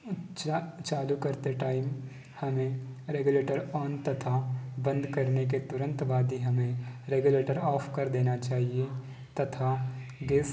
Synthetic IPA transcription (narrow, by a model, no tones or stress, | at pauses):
t͡ʃt͡ʃaːlukɐɾt̪eʈaːɪm | hɐmẽɾeːɡʊleːʈəɾɔːnt̪ɐt̪ʰabɐ̃nd̪kɐɾnek̬et̪ʊɾə̃nt̪ʋaːd̪iɦɐmẽɾeːɡʊleːʈəɾɔːpʰkɐɾd̪eːnat͡ʃaːɦie | t̪ɐt̪ʰaɡeːs